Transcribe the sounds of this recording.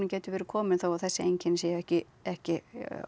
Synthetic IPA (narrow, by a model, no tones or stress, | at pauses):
nɪcɛːt̪ʏvɛːɾɪkʰɔːmɪnθawaðθɛsːɪejɲcɪnsjɛːɛhcɪ | ɛhcɪ